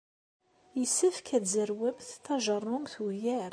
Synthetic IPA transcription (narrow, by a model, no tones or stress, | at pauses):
jəsəfkæd̪zəɾwæbθt̪ːɑʒərˤːʊmθujæɾ